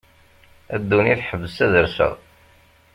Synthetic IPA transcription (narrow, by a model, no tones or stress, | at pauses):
æd̪ːuniθħəvːəsæðəɾsə̰ʁ